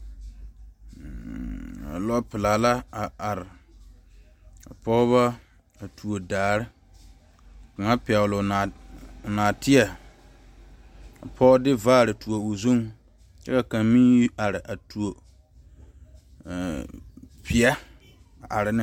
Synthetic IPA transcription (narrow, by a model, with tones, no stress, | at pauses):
a̰˨lɔ˦pɪ˨laː˨la˦a˨a˨ɾɪ˨ | a̰˨pɔ˦βa˦ | a˨tʰu˨o˨daː˨ɾɪ˦˨ | ka˨ŋa˦pɪ˨ɛ˨wʊ˨lʊ˨a˨naː˨tɪ˦ɛ˨ | a̰˨pʰɔ˦dɪ˦vaː˦˨ɾɪ˨tu˨o˨ʊ˨zu˦ŋ | t͡ʃɛ˦ka˨ka˨mi˦a˨ɾɪ˨ʔa˨tu˨o˨ | pɪ˨ɛ˦ | a˨ʔa˨ɾɪ˦nɪ˦